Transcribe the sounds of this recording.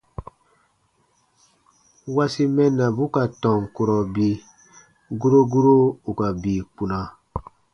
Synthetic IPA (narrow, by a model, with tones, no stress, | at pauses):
wa˦si˦mɛ˦nːa˨bu˦ka˨tɔ̃˨ŋ˨ko˨ɾɔ˨bi˦ | ɡu˦ɾo˦ɡu˦ɾo˦u˨ka˨bi˨k͡pu˨na˨